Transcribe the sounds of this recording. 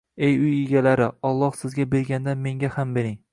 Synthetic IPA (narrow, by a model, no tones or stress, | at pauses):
e̞jʊjɪɡʲalaɾɪɒlˠːɒhsɪzɡʲabe̞ɾɡʲand̪anme̞ŋɡʲahambe̞ɾɪŋ